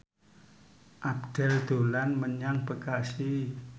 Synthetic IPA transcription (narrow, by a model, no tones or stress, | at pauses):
ʔabd̪̥ɛ̤ld̪̥o̤lanməɲaŋb̥əkasi